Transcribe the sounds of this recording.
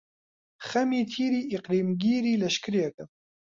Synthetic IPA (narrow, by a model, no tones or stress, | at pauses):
xɐmiːt̪ʰiːɾiːʔiqɾiːmɡiːɾiːlɐʃkɨɾijɛkɐ